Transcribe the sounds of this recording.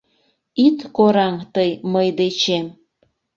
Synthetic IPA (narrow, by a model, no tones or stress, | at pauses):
it̪koɾɑŋt̪əjməjd̪et͡ɕem